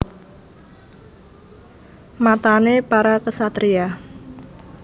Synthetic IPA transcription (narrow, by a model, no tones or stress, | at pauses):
mat̪anepaɾakəsat̪ɾia